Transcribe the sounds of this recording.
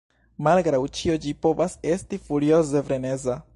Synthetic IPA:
malɡɾawt͡ʃio̞d͡ʒipo̞vase̞stifuɾio̞ze̞vɾe̞ne̞za

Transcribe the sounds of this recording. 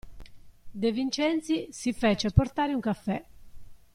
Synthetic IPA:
d̪evint͡ʃɛnt̪sisifɛːt͡ʃɛpːɔɾt̪aːɾiuŋkafːɛ

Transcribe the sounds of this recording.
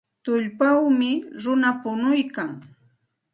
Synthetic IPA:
t̪ʊʎpawmɪɾʊnapʊnʊjkaŋ

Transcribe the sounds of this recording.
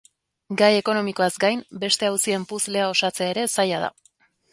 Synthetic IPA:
ɡaje̞ko̞no̞miko̞azɡajmbe̞st̪e̞awsie̞mpusle̞ao̞sat͡se̞aeɾe̞sajað̞a̰

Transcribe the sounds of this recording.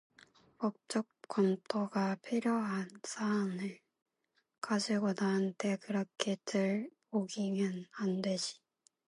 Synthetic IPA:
pok̚t͡ɕ͈ʌk̚k͈wʌnt͈ʰoɡapʰiɾjoɦansʰaːnɯɭ | kad͡ʑiɡonaɯntʰekɯɾʌkʰetɯɭpoɡimʌnandeɕi̥

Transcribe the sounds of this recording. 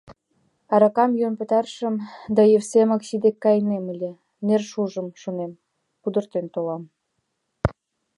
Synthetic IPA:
ɑɾɑkɑmjonpə̆t̪ɑrʃə̆md̪ɑjefsemɑksid̪ekːɑjneməlʲĕ | nerʃuʒəmʃonem | kud̪ə̆rt̪ent̪olɑm

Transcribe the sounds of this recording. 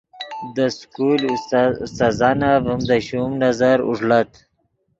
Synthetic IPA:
d̪əskulust̪azɑnavumd̪əɕumnazaɾṵʐlat̪

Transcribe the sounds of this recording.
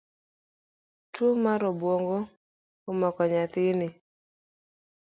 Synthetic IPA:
twomaɾɔbwoŋɡo | omɔkɔɲat̪ɪnɪ

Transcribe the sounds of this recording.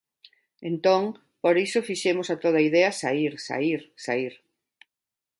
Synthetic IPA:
ent̪oŋ | poɾisofiʃemosat̪oð̞aiðɛɐsaiɾsa̰iɾsa̰iɾ

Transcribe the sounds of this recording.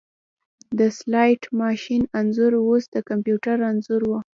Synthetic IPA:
d̪əslɑjʈmɑʃinanzuɾwosd̪əkampjuʈaɾanzʊɾwu

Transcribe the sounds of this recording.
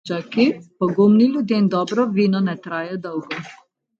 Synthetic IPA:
t͡ʃakipɔɡumnilʲjud̪jend̪ɔːbɾɔʋiːnɔnɛt̪ɾaːjɛd̪ɔwɡɔ

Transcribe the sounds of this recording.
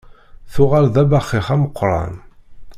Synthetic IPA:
θʊʁalðæbæχːɪχæməqːɾˤɑ̰n

